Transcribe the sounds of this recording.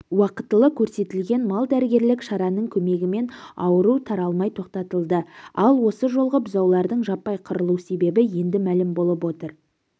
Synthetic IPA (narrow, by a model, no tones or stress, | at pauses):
wɑqət̪ːəlˠəkʲʰɵɾse̞t̪ɪlɡʲe̞nmɑlˠd̪æɾɪɡʲe̞ɾlɪkʃɑɾɑnəɴkʲʰɵme̞ɡʲɪme̞nɑwəɾut̪ʰɑɾɑlˠmɑjt̪ʰo̞q̚t̪ɑt̪əlˠd̪əɑlˠwo̞səʒo̞lˠʁəbʊzɑwlˠɑɾd̪əɴʒɑpːɑjqʰʊɾəlˠuse̞be̞bɪje̞nd̪ɪmælɪmbo̞lˠəpwo̞t̪əɾ